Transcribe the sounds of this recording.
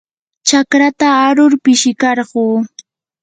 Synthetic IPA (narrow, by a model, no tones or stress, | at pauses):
t͡ʃakɾat̪aːɾʊɾpɪʃɪkɑɾɢuː